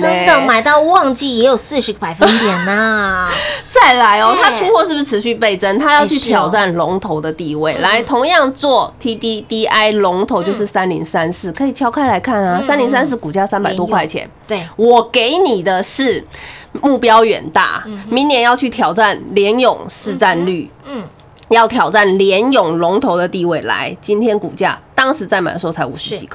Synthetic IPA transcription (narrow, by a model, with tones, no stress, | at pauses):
ɑ˨˩ŋma˨˩ɪt̪ɑ˥˧ʊwɑ˥˧ŋt͡ɕi˥˩jɛ˧˥jo˨˩ʊsɹ̩˥˩ʂ̩˧˥pa˨˩ɪfə˥nt̪jɛ˨˧˥nɐ˧ | t͡sa˥˩ɪla˧˥ɪɔ˦t̪ʰa˥ʈ͡ʂʰu˥ŋkʰwɔ˥˧ʂɻ̩˥˩bʂ̩˧ʈ͡ʂʰɻ̩˧˦ɕy˥˧pe˥˩ɪʈ͡ʂə˥nt̪ʰa˥jɑ˥˧ʊt͡ɕʰy˥˩t̪ʰjɑ˨˩ʊʈ͡ʂa˥˩nlʊ˧˥ŋt̪ʰo˧˥ʊd̪ə˧t̪i˥˧we˥˩ɪla˧˥ɪt̪ʰʊ˧˥ŋjɑ˥˧ŋt͡swɔ˥˩t̪ʰi˥t̪i˥t̪i˥ʔa˥ɪlʊ˧˥ŋt̪ʰo˧˥ʊt͡ɕjo˥˧ʊʂɻ̩˥˩sa˥nli˧˥ŋsa˥nsɹ̩˥˩kʰɤ˧˥i˨˩t͡ɕʰjɑ˥ʊkʰa˥ɪla˧˥ɪkʰa˥˩na˩sa˥nli˧˥ŋs̬a˥ns̬ɹ̩˥˩ku˨˩t͡ɕja˥˧sa˥npa˨˩ɪt̪wɔ˥kʰwa˥˩ɪt͡ɕʰjɛ̰˧˦n | wɔ˨˩ke˧˥ɪni˨˩d̪ə˦ʂɻ̩˥˩mu˥˩pjɑ˥ʊɥɛ̰˨˩nt̪a̰˥˩mi˧˥ŋnjɛ˨˩njɑ˥˧ʊt͡ɕʰy˥˩t̪ʰjɑ˨˩ʊʈ͡ʂa˥˩nljɛ˧˥njʊ˨˩ŋʂɻ̩˥˧ʈ͡ʂa˥˧nly˥˩ | jɑ˥˩ʊt̪ʰjɑ˨˩ʊʈ͡ʂa˥˩nljɛ˧˦˥njʊ˨˩ŋlʊ˧˥ŋt̪ʰo˧˥ʊd̪ə˨˧t̪i˥˧we˥˩ɪla̰˧˥˦ɪt͡ɕi˥nt̪ʰjɛ˥nkṵ˨˩t͡ɕja̰˥˩t̪ɑ˥ŋʂɻ̩˧˥t͡sa˥˩ɪma̰˨˩nswɔ˥˩ʊt͡sʰa˧˥ɪu˨˩ʂɻ̩˧˥t͡ɕḭ˨˩kʰ